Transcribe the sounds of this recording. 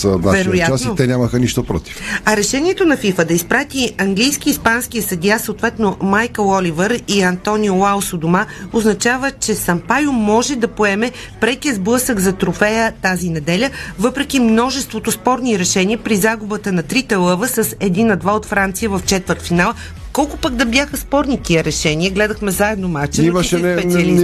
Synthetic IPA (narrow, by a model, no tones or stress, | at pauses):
zəd̪vavɛɾojjatasiot̪ɛnʲaməxəniʃt̪opɾɔ̰t̪i̥fɐɾɛʃɛnʲiɛt̪onɐfifəd̪ɐispɾat̪iɐŋɡlʲijskiːspansk̟ijəsɐd̪jasəot̪vɛt̪nomajkəlˠɔlʲivəɾiɐnt̪ɔniolawˠsod̪omaoznɐt͡ʃavət͡ʃɛsɐmpajomɔʒɛd̪ɐpoɛmɛ | pɾɛkiəzblˠɤsəɡzɐt̪ɾofɛjət̪azinɛd̪ɛlʲəvɤpɾɛkimnɔʒɛst̪vot̪ʊspɔɾniɾɛʃɛniəpɾizaɡʊbət̪ənɐt̪ɾit̪ɛlˠɤvəsəsɛd̪inɐd̪vaot̪fɾant̪sijəvɐft͡ʃɛt̪vəɾt̪finalˠ | kɔlˠkʊpəɡd̪ɐbʲjaxəspɔɾnit̪iəɾɛʃɛniəɡlɛd̪əxmɛzaɛd̪nomat͡ʃ̪ɛipɛiɐli